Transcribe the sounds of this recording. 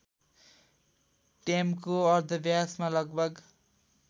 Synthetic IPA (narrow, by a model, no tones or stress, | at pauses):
ʈemkoʌɾd̪ʱʌbjasmalʌɡbʱʌɡ